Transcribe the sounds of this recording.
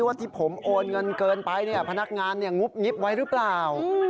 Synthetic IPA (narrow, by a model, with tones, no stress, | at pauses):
wa˥˩t̪ʰiː˧˩pʰo˩˦mʔoː˧nŋɤ˧nkɤː˧npa˧jni˥˩pʰa˧na˦˥k̚ŋaː˧nːi˥˩ɐŋu˦˥p̚ŋi˦˥p̚wa˦˥jɾɯ˦˥plaː˨˩w